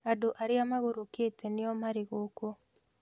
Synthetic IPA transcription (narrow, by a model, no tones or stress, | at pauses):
adoʔaɾɪamaɣoɾoketenɪɔmaɾɪɣoko